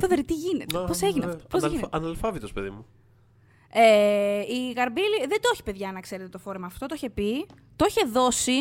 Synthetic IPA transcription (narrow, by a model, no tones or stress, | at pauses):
θoðeɾit̪iʝinet̪eposeʝineɐposiɐnɐlfɐvit̪ospeðḭmu | eiɣɐɾbiliðed̪o̞çi̥pe̞ðʝɐnɐkse̞ɾet̪et̪ofo̞ɾe̞mɐːft̪o̞t̪oiçepi | t̪oiçe̞ðo̞si